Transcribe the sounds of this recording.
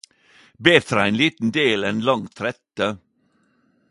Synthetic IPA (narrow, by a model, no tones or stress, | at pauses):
beːɾfɾɑːenliːt̪n̩d̪eːleːnlɑŋt̪ʰɾɛt̪ə